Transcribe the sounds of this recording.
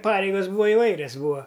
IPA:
ˈpɑːrʲɛɪɡɐs ˈbuːʋɐ ɪˈʋɐɪrʲɛs ˈbuːɐ

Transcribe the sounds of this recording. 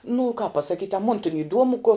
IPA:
nʊ kɑːp pɐsɐˈkʲiːtʲ ɐ moːn tʲɪn ɪˈduɔmʊ koː

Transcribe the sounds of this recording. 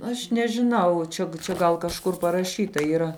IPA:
ˈɐʃ nʲɛʒʲɪˈnɐʊ ˈt͡ʃʲɛ t͡ʃʲɛ ˈɡɐlˠ kɐʃˈkʊr pɐrɐˈʃʲiːtɐ iːˈrɐ

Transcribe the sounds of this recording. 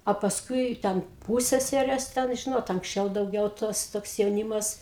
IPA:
oː pɐsˈkʊɪ tʲɛn ˈpuːsʲsʲɛsʲɛrʲeːs tʲɛn ˈʒʲɪnoːt ɐŋksʲˈt͡ʃʲɛʊ dɐʊˈɡʲɛʊ ˈtoːs ˈtoːks jɛʊˈnʲiːmɐs

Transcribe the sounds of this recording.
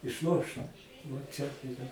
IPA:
ɪʃˈlˠoːʃt ʋoː ˈt͡ʃʲɛ tɐɪ ɪˈrɐ

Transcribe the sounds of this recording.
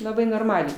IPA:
lˠɐˈbɐɪ noːrˈmɑːlʲɛɪ

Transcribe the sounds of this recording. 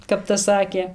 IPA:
kɐp tɐs ˈsɑːkʲeː

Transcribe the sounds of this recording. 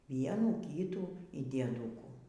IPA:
ˈʋʲiɛnuː ˈkʲiːtuː iː dʲiɛˈduːkuː

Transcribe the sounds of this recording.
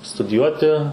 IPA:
stʊdʲɪˈjuɔtʲɪ

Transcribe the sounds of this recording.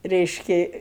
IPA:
ˈrʲɛɪʃʲkʲɪ

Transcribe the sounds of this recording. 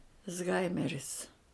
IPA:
ɪzˈɣɐɪmʲɛrʲɪs

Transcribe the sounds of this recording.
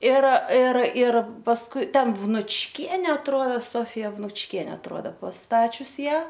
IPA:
ɪr ɪr ɪr pɐsˈkʊɪ ˈtʲɛn ʋnʊt͡ʃʲˈkʲiɛnʲɛ ɐtˈruɔdɐ ˈsoːfʲɪjɛ ʋnʊt͡ʃʲˈkʲiɛnʲɛ ɐtˈruɔdɐ pɐsˈtɑːt͡ʃʲʊs ˈjæː

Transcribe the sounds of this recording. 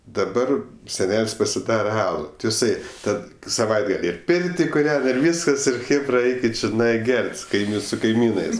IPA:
dɐˈbɐr sʲɛˈnʲɛlʲsʲ pɐsʲɪˈdɑːrɐ ˈɑːlˠʊ tʲɪ jɪˈsɐɪ ˈtɐt sɐˈʋɐɪdɡɐlʲ ɪr ˈpʲɪrʲtʲɪ kʊˈrʲɛn ɪr ˈʋʲiːskɐs ˈɪr ˈxʲeːbrɐ ˈɐɪkʲɪt t͡ʃʲɪˈnɐɪ ˈɡʲɛrʲtʲ sʊ kɐɪˈmʲiːn sʊ kɐɪˈmʲiːnɜs

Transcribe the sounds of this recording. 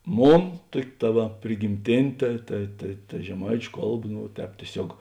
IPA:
ˈmoːn ˈtuɔkʲ tɐ ˈʋɐ pʲrʲɪɡʲɪmʲˈtʲeːnʲeː ˈtɐ tɐ tɐ tɐ ʒʲɛˈmɐɪt͡ʃʲʊ ˈkɐlˠˌbɐ ˈnʊ ˈtʲɛːp tʲiɛˈsʲoːk

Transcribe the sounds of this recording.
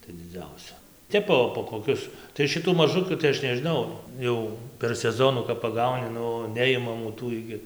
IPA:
tɐɪ d͡zʲɪˈd͡zʲɛʊsʲɛ ˈtʲɛp poː poː koːˈkʲʊs tɐɪ ʃʲɪˈtuː mɐˈʒʊkʲuː tɐɪ ˈɐʃ nʲɛʒʲɪˈnɐʊ ˈjɛʊ pʲɛr sʲɛˈzoːnʊ kɐp pɐˈɡɐʊnʲɪ ˈnʊ ˈnʲɛɪmɐmuː ˈtuː ɪɡʲɪ

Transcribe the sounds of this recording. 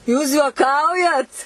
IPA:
juːs juɔˈkɐʊjɛt

